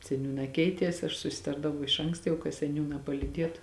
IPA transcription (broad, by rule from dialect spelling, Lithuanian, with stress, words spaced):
sʲɛˈnʲuːnɑː ˈkʲɛɪtʲiɛs ɐʃ sʊsʲɪˈtɐrdɐʋɐʊ ɪʃ ˈɐŋkstɐ kɐ sʲɛˈnʲuːnɑː pɐlʲiːˈdʲiɛtʊ